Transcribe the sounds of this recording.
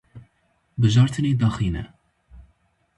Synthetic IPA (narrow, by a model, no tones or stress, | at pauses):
bɨʒɑːɾt̪ʰɨneːd̪ɑːxiːnɛ̰